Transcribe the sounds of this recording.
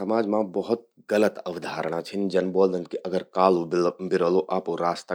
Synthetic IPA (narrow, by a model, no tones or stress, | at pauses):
ɐmaːd͡ʒmãbəɦʊt̪̚ | ɡələt̪ɐʋd̪ʱaːɾəɽ̃at͡ʃʰind͡ʒɐnboːld̪ənkiʔɐɡəɾkaːlobɪɾəloʔaːpoɾaːst̪ə